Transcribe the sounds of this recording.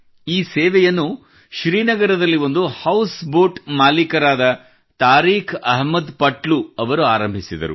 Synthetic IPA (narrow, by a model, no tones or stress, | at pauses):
iːseːʋɛjɐnːu | ʃɾiːnɐɡɐɾɐd̪ɐlːiʋo̞nd̪uhɐwsboːʈmaːlikɐɾaːd̪ɐ | t̪aːɾiːkʰɐɦmɐd̪pɐʈluɐʋɐɾuaːɾɐmbʱisid̪ɐ̰ɾṵ